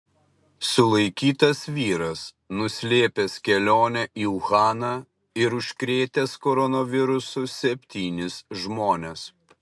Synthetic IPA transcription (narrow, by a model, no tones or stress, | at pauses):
sʊlˠɐɪkʲiːt̪ɐsʋʲiːɾɐs | nʊsʲlʲeːpʲeskʲɛlʲoːnʲɛʔiːʊxɑːnɑː | ɪɾʊʃʲkɾʲeːt̪ʲeskɔɾɔnɔʋʲɪɾʊsʊsʲɛpʲt̪ʲiːnʲɪsʒmoːnʲɛs